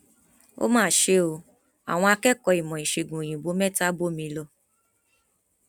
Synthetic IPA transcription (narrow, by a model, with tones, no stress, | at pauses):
o̰˦mãː˦˨ʃe˧˦o˧ | a̰˨w̃ɔ̃˧a˧kɛ˦kɔ˧i˨mɔ̃˨i˨ʃe˨ɡũ˨j̃ĩ˨bo˨˦mɛ˦˨ta˦bo˦mĩ˧˦lɔ˧